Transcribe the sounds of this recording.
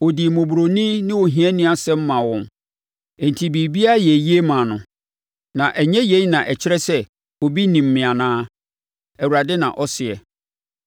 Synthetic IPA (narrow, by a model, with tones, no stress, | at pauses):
wɔ˨di˨mõ˨bu˨ɾo˨nĩ˦nɪ̃˦wo˨ɦĩ˨ɛ˦nɪ̃˦a˨sɛ̃˦m̩˦mã˨wɔ̃˨n | e˨n˨tʰi˨biː˨bi˦a˦jɛ˨ji˦e˦mã˨nʊ̃˨ | nã˨ʔæ˨ɲɛ̃˦je˨˦nã˨ʔɛ˨t͡ɕʰɪ˦ɾɛ˦sɛ˦ | wɔ˨bi˦nĩ˨m̩˨mɪ̃˨a˨nãː˦ | ɛ˨wu˨ɾa˨dɛ˦nã̰˨ʔɔ˦sɪ˨ɛ̰˨